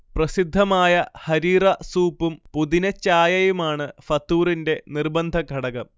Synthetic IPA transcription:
prɐsid̪ʱːɐmaːjɐhɐɾiːrɐsuːpːumpuðinɐt͡ɕːaːjɐjumaːɳɨfɐt̪ːuːrinde̞nirbɐnd̪ʱɐɡʱɐɽɐɣɐm

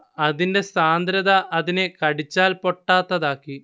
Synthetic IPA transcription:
ɐðinde̞saːnd̪ɾɐðɐʔɐðinekɐɽit͡ɕːaːlpo̞ʈːaːt̪ːɐðaːkːi

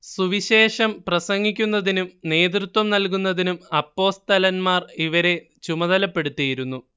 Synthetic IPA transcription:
suʋiɕe̞ːʂɐmprɐsɐŋɡikʲːunːɐðinumne̞ːt̪rut̪wɐmnɐlk̬unːɐðinumɐpːo̞ːst̪ɐlɐnmaːriʋɐɾe̞ | t͡ɕumɐðɐlɐpːe̞ɽut̪ːijiɾunːu

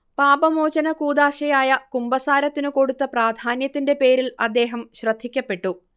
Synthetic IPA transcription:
paːbɐmoːt͡ɕɐnɐkuːd̪aːʂɐjaːjɐkumbɐsaːɾɐt̪ːinɨko̞ɽut̪ːɐpraːd̪ʱaːnjɐt̪ːinde̞pe̞ːɾilɐd̪ːe̞ːɦɐmɕrɐd̪ʱːikʲːɐpːe̞ʈːu

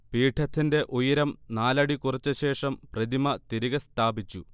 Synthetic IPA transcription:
piːʈʰːɐt̪ʰːinde̞ʔojɐɾɐmnaːlɐɽikurɐt͡ɕːɨɕe̞ːʂɐmprɐd̪imɐt̪iɾiɣɐst̪ʰaːbit͡ɕːu

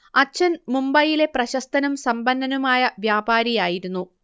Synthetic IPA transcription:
ɐt͡ɕːɐnmumbɐjile̞prɐɕɐst̪ɐnumsɐmbɐnd̪ʱɐnumaːjɐʋjaːbaːɾijaːjiɾunːu

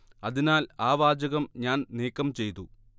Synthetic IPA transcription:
ɐðinaːlaːʋaːd͡ʑɐɣɐmɲaːnneːkːɐmt͡ɕe̞jt̪u

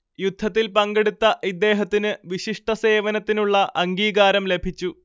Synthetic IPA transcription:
jud̪ʱːɐt̪ːilpɐŋɡeɽut̪ːɐʔid̪ːe̞ːɦɐt̪ːinɨʋiɕiʂʈɐse̞ːʋɐnɐt̪ːinuɭːɐʔɐŋɡiːɣaːɾɐmle̞bʱit͡ɕːu

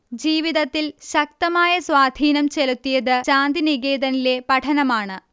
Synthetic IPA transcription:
d͡ʑiːʋiðɐt̪ːilɕɐk̚t̪ɐmaːjɐswaːd̪ʱiːnɐmt͡ɕelut̪ːijɐðɨt͡ɕaːnd̪iniɣeːd̪ɐnile̞pɐʈʰɐnɐmaːɳɨ

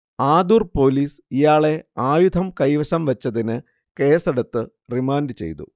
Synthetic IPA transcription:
aːd̪urpo̞ːliːsijaːɭe̞aːjud̪ʱɐmkɐjʋɐɕɐmʋɐt͡ɕːɐðinɨ | ke̞ːseɽɐt̪ːɨ | rimaːnɖɨt͡ɕe̞̰jt̪ṵ

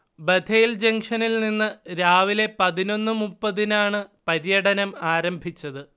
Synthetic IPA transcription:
bed̪ʰejild͡ʑeŋʂɐnilninːɨɾaːʋile̞pɐðino̞nːɨmupːɐðinaːɳɨpɐɾjɐɽɐnɐmaːɾɐmbʱit͡ɕːɐðɨ

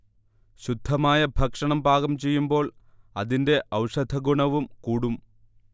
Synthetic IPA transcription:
ɕud̪ʱːɐmaːjɐbʱɐkʂɐɳɐmbʱaːɣɐmt͡ɕe̞jːumbo̞ːɭ | ɐ̰ðinde̞ʔɐwʂɐd̪ʱɐɡuɳɐʋumkuːɽum

